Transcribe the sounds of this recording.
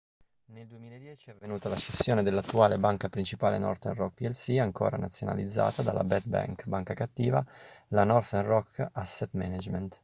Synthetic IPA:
neld̪uemiːled̪jɛːt͡ʃiavːenuːt̪alat͡ʃesːjoːned̪elːat̪ːuaːlebaŋkapɾint͡ʃipaːlḛnɔ̰rt̪ɛnrɔk̚piɛlsiaŋko̰ːɾana̰t̪sːjona̰lid̪zːa̰ːt̪ad̪a̰lʔa̰bɛt̪̚ba̰ŋkbaŋkakat̪ːiːvalanɔrt̪ɛnrɔkːasːet̪mɛ̰nad͡ʒmɛnt̪

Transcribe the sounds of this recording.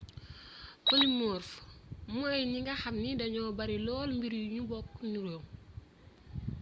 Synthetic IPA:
folimɔːɾfmɔjɲiŋɡɐxɐmnidɐɲɔːbɐɾilɔːlmbiɾjuɲubɔkːnuɾɔŋ

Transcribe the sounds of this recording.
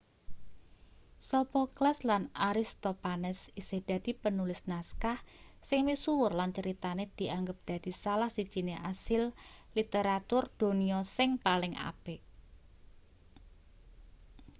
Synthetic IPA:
sɔpɔklaslanaɾɪst̪ɔpanɛsised̪̥a̤d̪̥i̤pənulɪsnaskahsɪŋmisuwʊrlant͡ʃəɾit̪aned̪̥i̤ʔaŋɡəp̚d̪̥a̤d̪̥i̤salahsid̥ʒ̥i̤neʔasɪllit̪eɾat̪ʊrd̪̥o̤niɔsɪŋpalɪŋa̰b̥eʔ

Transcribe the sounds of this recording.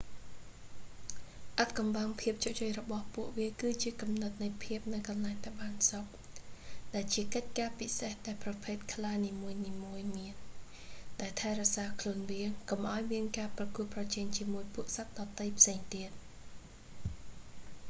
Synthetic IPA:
ʔat̪̚kɑmɓaŋpʰiəp̚t͡ɕoʔt͡ɕojrɔɓɑhpuəʔʋiəkɨːt͡ɕiəkɑmnɨt̪̚nɨjpʰiəp̚nɨwkɑnlaɛŋt̪aɛɓaːnsok̚ | ɗaɛlt͡ɕiəkəc̚kaːpisehɗaɛlprɑpʰeːt̪̚kʰlaːniːmuəjniːmuəjmiən | ɗaɛlt̪ʰaɛrɔəsaːkʰluənʋiəŋkomʔaɔjmiənkaːprɑkuət̪̚prɑt͡ɕɛːŋt͡ɕiəmuəjpuəʔsat̪̚ɗɑːt̪əjpʰseːŋt̪iət̪̚

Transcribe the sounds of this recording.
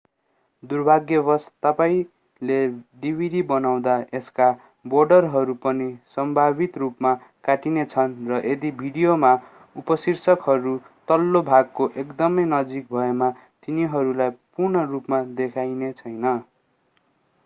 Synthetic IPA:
d̪urbʱaɡjʌbʌst̪ʌpaĩ | leɖibʱiɽibʌnaw̃d̪aeska | borɖʌrɦʌɾupʌnisʌmbʱabit̪rupma | kaʈinet͡sʰʌnrʌʔed̪ibʱiɽijoma | upʌsirsʌkɦʌɾu | t̪ʌlːobʱaɡ̚koʔekd̪ʌmʌjnʌd͡zik̚bʱʌema | t̪iniɦʌɾulajpurnʌrupmad̪ekʰajnet͡sʰʌjnʌ

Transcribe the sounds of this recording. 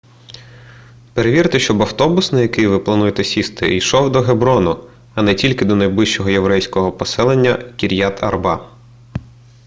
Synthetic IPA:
peɾeʋʲiɾt̪ɪʃt͡ʃɔbɐwt̪ɔbʊsnɐjɐkɪjʋɪplˠɐnujet̪ɛsʲist̪ɪ̰ijʃɔwd̪ɔɦebɾɔnʊ | ɐnɛtʲilʲkɪd̪ɔnɐjblˠɪʃt͡ʃɔɦɔje̞ʋɾɛjsʲkɔɦɔpɔsɛlˠenʲːɐkʲiɾʲjat̪ʰɐ̰rbɑ

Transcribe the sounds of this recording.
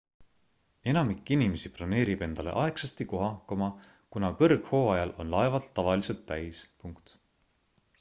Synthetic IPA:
e̞nɑmikːˑinimesiplɑne̞ːɾib̥e̞nd̪̥ɑle̞̰ʔɑe̞ksɑst̪iko̞ɦɑkːɑmɑ | kunɑkɤrɡ̥ho̞ːɑjɑlʔo̞̰nlɑevɑt̪ːɑvɑlise̞lt̪ːæjspuŋkt̪

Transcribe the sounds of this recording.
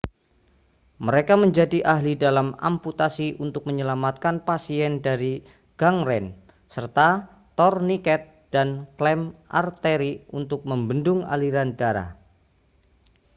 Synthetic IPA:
məɾekaməɲd͡ʒadiʔaɦlidalama̰mput̪asiʔunt̪ʊk̚məɲəlamat̪̚kanpasiɛndaɾi | ɡ̥aŋɾɛn | sərt̪a | t̪ɔrnikɛt̪̚ | d̥anklɛmʔa̰rt̪eɾiunt̪ʊk̚məmbəndʊŋa̰liɾandaɾa̰h

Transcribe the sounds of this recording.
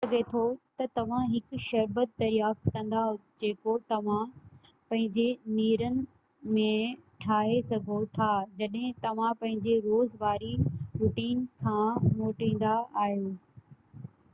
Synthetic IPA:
ɐɡet̪ʰot̪ɐt̪ɐʋ̤ãɦɪkʊʃɐɾbət̪̚d̪ɐɾjaːft̪kɐ̃nd̪aɦd͡ʑeːkot̪ɐʋ̤ã | pɐ̃ɦɪ̃ɲd͡ʑeniːɾənɪ̆ | mẽʈʰaːɦesɐɡʱot̪ʰaːd͡ʑɐɗɦɪ̃t̪ɐʋ̤ãpɐ̃ɦɪ̃ɲd͡ʑeɾoːzʋaːɾiɾʊʈiːnkʰãːmoːʈĩːn̆d̪aaːɦijoː

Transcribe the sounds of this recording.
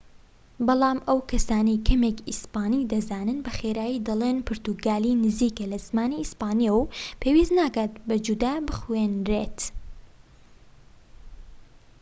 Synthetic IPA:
bɑlˠɑːmɐwkʰɐsaːnɐjkʰɐmekispaːnid̪ɐzaːnɨnbɐxeːɾaːjid̪ɐlˠenpʰɨɾt̪uɡaːliːnɨziːkɐlɐzmaːniispaːnijɐwpʰeːwiːznaːkaːt̪̚bɐd͡ʒud̪aːbɨxweːnɾeːt̪

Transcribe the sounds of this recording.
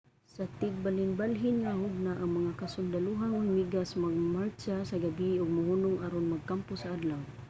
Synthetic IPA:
sat̪ɪɡ̚balɪnbalɦɪnŋahʊɡ̚naʔaŋmaŋakasʊnd̪aluɦaŋmaŋmiɡasmaɡ̚malt͡ʃasaɡabiʊɡ̚mʊhunʊŋʔaɾonmaɡ̚kampʊsaʔad̪law

